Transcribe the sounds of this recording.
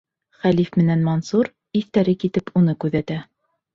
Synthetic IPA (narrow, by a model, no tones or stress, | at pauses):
χælifmɘ̆nænmɐnsuɾ | iθt̪æɾɘkit̪ɘpʰunɤkʉðæt̪æ